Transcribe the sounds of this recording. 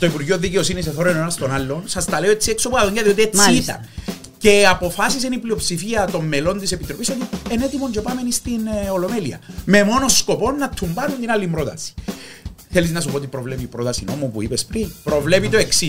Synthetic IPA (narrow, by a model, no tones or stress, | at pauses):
t̪oipuɾʝioðːiceo̞siniseθoɾoenonɐst̪o̞nalːo̞nsɐst̪ɐle̞oet͡sːiekso̞puɐðoɲɟɐðio̞t̪̬iesiit̪ɐ̰n | ce̞apo̞fasis̬eniplio̞psifiɐt̪o̞mːelo̞nt̪isepit̪ɾo̞piso̞t̪iene̞t̪imond͡ʒopame̞nist̪ino̞lo̞me̞liɐ̰me̞mo̞no̞sko̞po̞nːɐt̪ʰːumbanunt̪inalːimbɾo̞t̪ɐsi̥ | θe̞liznɐsupoot̪ipɾo̞vle̞pipɾo̞t̪ɐsino̞mupuipespɾinpɾo̞vle̞pit̪o̞e̞ksi